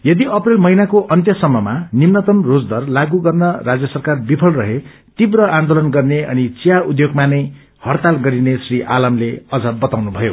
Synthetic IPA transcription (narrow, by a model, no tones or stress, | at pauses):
jʌd̪iʌprelmʌɦinakoʔʌnt̪jʌsʌmːʌmanimnʌt̪ʌmrod͡zd̪ʌrlaɡuɡʌrnʌrad͡zjʌsʌrkarbipʰʌlrʌɦe | t̪ibrʌand̪olʌnɡʌrneʌ̰nit͡sijaud̪joɡmanʌj | hʌrt̪alɡʌɾinesriʔa̰lʌmleʌd͡zʌbʌt̪awnubʱʌjo̰